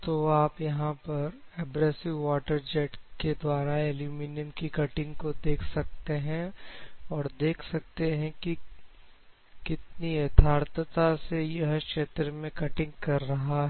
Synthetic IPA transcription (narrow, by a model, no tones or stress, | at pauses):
t̪oaːpjɐɦãpɐɾɛːbɾɛːsɪʋːaːʈəɾd͡ʒɛːʈked̪waːɾaeluminijəmkikɐʈɪ̃ŋɡkod̪eːkʰsɐk̚t̪eɦɛ̃ | ɔːɾd̪eːkʰsɐk̚t̪eɦɛ̃ki | kɪt̪nijɐd̪ʱʰaːɾt̪ət̪asejɐɦkʃeːt̪ɾəmẽkɐʈɪ̃ŋɡkɐɾːɐɦaɦɛ